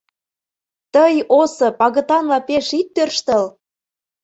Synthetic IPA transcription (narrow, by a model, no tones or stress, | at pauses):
t̪əjosɤ̆pɑɣə̆t̪ɑnlɑpeʃit̪ːørʃt̪ə̆l